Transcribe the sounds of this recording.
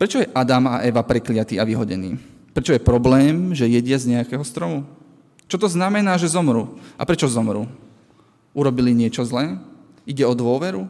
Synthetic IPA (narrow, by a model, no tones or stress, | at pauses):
pɾɛt͡ʃɔjɛʔad̪amaʔɛʋapɾɛklɪat̪iːaʋiɦɔɟɛnḭː | pɾɛt͡ʃɔjɛpɾɔblɛːmʒɛjɛɟɪazɲɛakɛːɦɔst̪ɾɔmu | t͡ʃɔt̪ɔznamɛnaːʒɛzɔmɾuːʔa̰pɾɛt͡ʃɔzɔmɾṵː | uɾɔbiliɲɪɛt͡ʃɔzlɛː | iɟɛɔd̪ʋʊɔʋɛɾu